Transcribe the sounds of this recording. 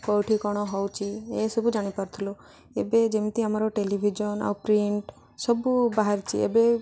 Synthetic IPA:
kɔwʈʰikɔɽ̃ɔɦɔwt͡ʃʰiesɔbud͡ʒaɽ̃ipaɾt̪ʰulo | ebed͡ʒemit̪iamaɾɔʈelibʱid͡ʒɔna̰wpɾiɳʈ | sɔbubaɦaɾt͡ʃʰḭḛbe

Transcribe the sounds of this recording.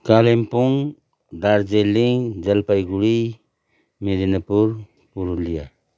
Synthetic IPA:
kalempuŋ | daɾd͡ʒeliŋd͡ʒalpajɡuɾi | meɾinapuɾ | puɾulija̰

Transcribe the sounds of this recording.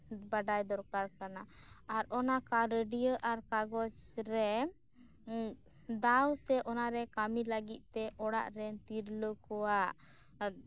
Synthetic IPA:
baɖajd̪ɔɾkaɾkanaaɾɔnakaɾəɖijəʔaɾkaɡɔt͡ʃɾɛ | d̪awsɛʔɔnaɾɛkamiləɡit̪̚ˀt̪ɛʔɔɽa̰ʔɾɛnt̪iɾləkɔwaʔ

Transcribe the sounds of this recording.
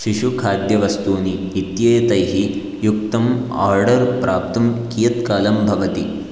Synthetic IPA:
ʃiʃukʰaːd̪jɐʋɐst̪uːniːt̪jɐjɐt̪ɐjɦi | juk̚t̪ɐma̰ːɾɖɐɾpɾʔaːp̚t̪ɐmkiːjɐt̪kaːlɐmbʱɐʋɐt̪i

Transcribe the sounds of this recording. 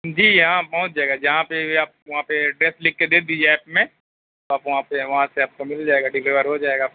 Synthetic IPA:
d͡ʒiːjɦãpɐɦʊ̃t̪̚d͡ʒaːeɡad͡ʒɐɦãpeaːp̚ʋɐɦãpeɖɾeːslɪkːed̪eːd̪id͡ʒeɛːpmẽ | t̪oaːpʋɐɦãpeʋɐɦãseaːp̚komɪld͡ʒaːeːɡaɖɪlleːʋəɾɦod͡ʒaːeɡa

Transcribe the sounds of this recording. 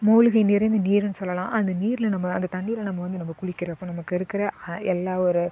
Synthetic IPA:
moːlɯɣɐɪniːɾɐnd̪ɯniːɾɯnɯsɔlːɐlãːʔɐnd̪ɐniːɾɪlɐnɐmːɐɐnd̪ɐt̪ɐɳːiːlɐnɐmːɐʋɐnd̪ɯnɐmːɐkʊɭɪkːɪɾɐ̃ɐpːoːnɐmɐkːɯɪɾɯkːɪɾɐɛlːaːɔɾɯ

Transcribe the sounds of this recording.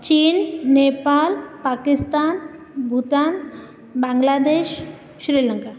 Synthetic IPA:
t͡ɕinːepalpakist̪an | bʱut̪an | baŋɡlad̪eʃ | ʃɾiləŋka

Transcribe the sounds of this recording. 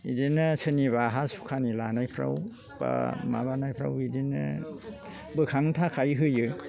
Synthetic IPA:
idinɯsʰɯniβaɦasu̥kʰanilanajpʰɾa̰w | ba̰ma̰banajpʰɾa̰widinɯ̰ | bɯkʰaŋtʰakʰajɦɯjɯ

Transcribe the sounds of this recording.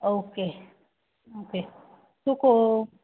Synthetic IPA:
oke | oke | t̪uko

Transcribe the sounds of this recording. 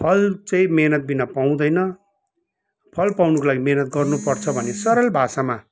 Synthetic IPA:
pʰʌlt͡saĩmenʌt̪̚binapaw̃d̪ʌjnʌ | pʰʌlpawnukolaɡimenʌt̪̚ɡʌrnupʌrt͡sʰʌbʱʌnesʌɾʌlbʱasama

